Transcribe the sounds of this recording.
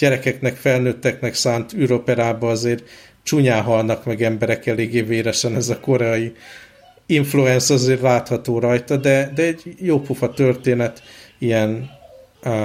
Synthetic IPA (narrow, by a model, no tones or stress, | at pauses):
ɟ̥ɛɾɛkɛknɛkfɛlnøːt̪ːɛknɛksaːnt̪yɾo̞pɛɾaːbɒɒzeːr | t͡ʃuɲaːɦɒlnɒkmɛɡɛmbɛɾɛkɛleːɡeːveːɾɛʃɛnɛzɒko̞ɾɛɒji | iɱfluɛnsɒzeːrlaːt̪hɒt̪oːɾɒjt̪ɒd̪ɛd̪ɛɛɟjoːpufɒt̪ørt̪eːnɛt̪ijɛn